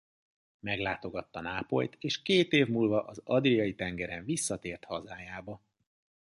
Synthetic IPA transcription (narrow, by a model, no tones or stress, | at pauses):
mɛɡlaːt̪o̞ɡɒt̪ːɒnaːpo̞̰jt̪ʰeːʃkeːt̪eːvmuːlvɒʔɒzɒd̪rijɒjit̪ɛŋɡɛɾɛɱvisːɒt̪eːrt̪hɒzaːjaːbɒ